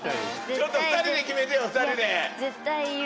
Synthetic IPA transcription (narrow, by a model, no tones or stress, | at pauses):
t͡ɕot̪ːofɯt̪aɾʲid̪ekʲimet̪ejofɯt̪aɾʲid̪ezet̪ːa